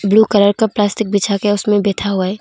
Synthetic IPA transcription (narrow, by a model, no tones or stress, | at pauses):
bluːkələɾkaplaːstɪk̚biːt͡ʃʰakeʊsmẽbeːt̪ʰaɦuaɛː